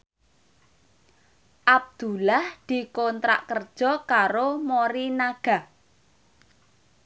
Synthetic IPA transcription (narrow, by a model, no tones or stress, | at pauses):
ʔab̚d̪̥ṳlahd̪̥i̤kont̪ɾa̰ʔkərd̥ʒ̥ɔ̤kaɾomoɾinaɡ̥a̤